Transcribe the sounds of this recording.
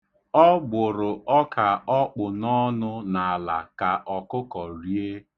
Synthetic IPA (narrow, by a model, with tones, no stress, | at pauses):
ɔ˦ɡ͡bʊ˨ɾʊ˨ʔɔ˦kʰa˨ɔ˦k͡pʊ˨nɔ˦nʊ˦na˨a˨la̰˨ka˨ʔɔ˨kʊ˦kɔ˨ɾi˨˦e˦